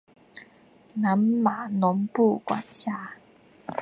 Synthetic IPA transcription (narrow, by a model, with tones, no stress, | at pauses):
na˨˦mːa˨˩nɔ˨˦mpu˥˧˨kwa̰˨˩nɕja˧˦